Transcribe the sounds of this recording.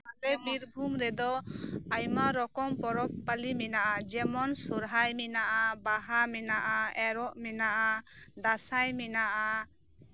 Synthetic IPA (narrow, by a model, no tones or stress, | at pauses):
alɛbiɾbʱumɾɛd̪ɔajmaɾɔkɔmpɔɾɔppalimɛnaʔad͡ʒɛmɔnsuɾɦajmɛnaʔabaɦamɛnaʔaɛɾɔʔmɛnaʔad̪asajmɛnaʔa